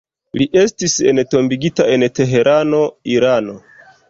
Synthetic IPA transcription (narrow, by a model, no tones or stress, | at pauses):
liʔe̞stise̞nto̞mbiɡitae̞nte̞ɦe̞ɾʔano̞iɾano̞